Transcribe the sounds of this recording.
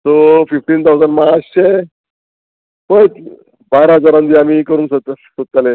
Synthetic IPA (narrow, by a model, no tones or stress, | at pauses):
sofifʈiːnt̪ʰawd͡zanmaəɕɕe | pət͡s | baɾɦəd͡zaɾãnd̪iamikəɾuːnsəsot̪ːale